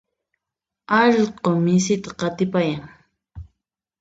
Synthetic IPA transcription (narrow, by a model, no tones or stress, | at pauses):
ɑʎqomɪsɪt̪ḁqɑt̪ɪpajaŋ